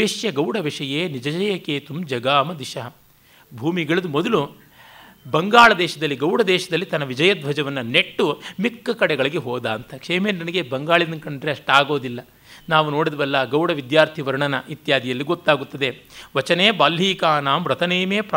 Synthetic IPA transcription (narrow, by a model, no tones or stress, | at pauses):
eʂjɐɡɐwɽɐʋiʂɐjeːnid͡ʒɐd͡ʒɐjɐkeːt̪umd͡ʒɐɡaːmɐd̪iʂɐɦɐ | bʱuːmiɡɐɭɐd̪umɔd̪ɐlu | bɐŋɡaːɭɐd̪ɛːʃɐd̪ɐlːiɡɐwɽɐd̪ɛːʃɐd̪ɐlːit̪ɐnɐʋid͡ʒɐjɐd̪̚bʱɐd͡ʒɐʋɐnːɐne̞ʈːumikːɐkɐɽɛɡɐɭiɡeɦoːd̪aːnt̪ɐkʂeːmeːnnɐnɐɡebɐŋɡaːɭid̪ɐnkɐɳɖɾeɐʂʈaːɡo̞ːd̪ilːɐ | naːʋuno̞ːɽid̪ɐʋɐlːɐɡɐwɽɐʋid̪jaːɾt̪ʰiʋɐɾɐɳɐnɐʔit̪jaːd̪ijɐlːiɡɔt̪ːaːɡut̪ːɐd̪eʋɐt͡ʃɐneːbaːlɦiːkaːnaːmɾɐt̪ʰɐneːmeːpɾ